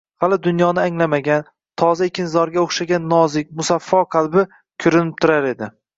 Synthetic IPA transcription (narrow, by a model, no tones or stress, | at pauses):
halɪd̪ʊnjɒnɪaŋlamaɡʲan | t̪ʰɒzaɪkʲʰːɪnzɒɾɡʲaoχʃaɡʲanːɒzɪk̚ʲmʊsafːɒqʰɑlˠbɪ | kʰʊɾɪnɪp̚t̪ʰʊɾaɾe̞d̪ɪ